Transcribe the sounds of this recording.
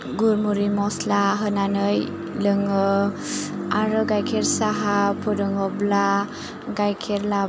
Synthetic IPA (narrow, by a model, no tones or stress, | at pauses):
ɡuɾmuɾimɔslaɦənanɯj | lɯŋɯ | aɾɯɡajkʰeɾsaɦapʰuɾɯŋɔbla | ɡajkʰeɾla